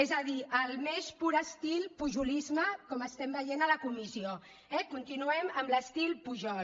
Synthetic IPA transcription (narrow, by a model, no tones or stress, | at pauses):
ezəðiʔəlˠmespuɾəst̪ilpuʒulizməkɔməst̪ɛmbəjenələkumizio | ɛkunt̪inuɛməmləst̪ilˠpuʒɔ